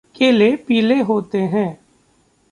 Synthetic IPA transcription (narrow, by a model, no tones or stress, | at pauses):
kʰelepiːleɦoːt̪eɦɛ̃ː